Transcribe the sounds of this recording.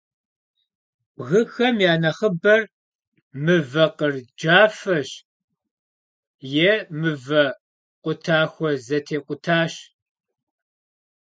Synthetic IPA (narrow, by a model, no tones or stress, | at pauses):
ʔɣɨxɐmjaːnɐχəbɐr | mɨvɐqərd͡ʒaːfɐɕ | jɛmɨvɐ | qʷʊtʰaːxʷɔzɐtʰeːqʷʊtʰaːɕ